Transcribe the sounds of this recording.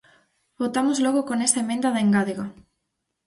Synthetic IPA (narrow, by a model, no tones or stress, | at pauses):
bot̪amozlɔɣokonɛst̪aemẽnd̪ɐðeŋɡaðeɣa